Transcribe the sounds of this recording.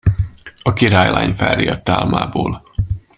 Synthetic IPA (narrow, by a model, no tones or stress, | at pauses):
ɒkiɾaːjlaːɲfɛriɒt̪ːaːlmaːboːl